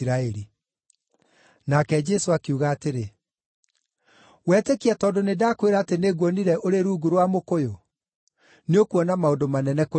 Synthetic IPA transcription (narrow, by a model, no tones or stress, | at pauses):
ɾaɛɾi | nakɛd͡ʒɛsoakeuɣaːteɾe | wɛːtekiatɔdonedaːkweɾaateneɣwɔniɾɛʔoɾeɾuːɡuɾwamokojo | neokuɔnamaondomanɛnɛko